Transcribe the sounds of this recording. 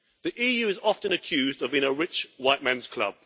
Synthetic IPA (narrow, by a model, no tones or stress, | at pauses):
ðiʔiːjʉːɪzɒftə̃nəkʰj̥ʉːzdəvbɪ̃ŋəɹɪt͡ʃwaɪʔmãnz̥kʰl̥ʌ̰b̥